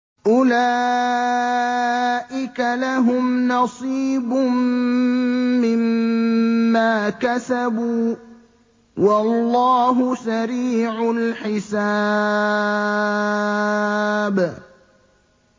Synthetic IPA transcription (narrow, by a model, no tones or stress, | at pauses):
ʔʊlaː | ʔɪkalaɦʊmnɑsˤiːbʊm | ɪmː | aːkasabuː | wɑlˤːɑːɦʊsaɾiːʕʊlħɪsa | b